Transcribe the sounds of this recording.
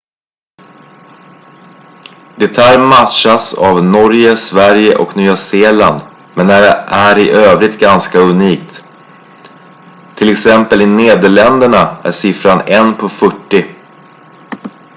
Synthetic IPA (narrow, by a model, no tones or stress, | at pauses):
d̪ɛt̪ʰæːɾmat̪ʂasa̰vnɔɾjəsvæɾjəʔɔknyːaseːla̰nd̪ | mɛnæɾæɾɪʔøːvɾɪt̪̚ɡanskaɵniːk̚t̪ | t̪ʰːɪlɛksɛmpəlɪneːd̪əɭɛnd̪əɳaæ̰ʂɪfɾanɛnpʰɔfœʈːɪ